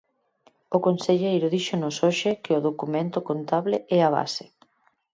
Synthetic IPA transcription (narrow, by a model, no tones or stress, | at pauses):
ʊkonseʎejɾʊðiʃonosoʃɪkɪʊðokumẽnt̪ʊkont̪aβlɪʔɛaβa̰sɪ